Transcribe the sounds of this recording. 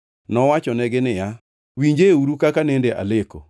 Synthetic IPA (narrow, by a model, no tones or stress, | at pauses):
nɔwat͡ʃɔnɛɡɪnɪja | wiɲd͡ʒeuɾukakanendeʔa̰leko̰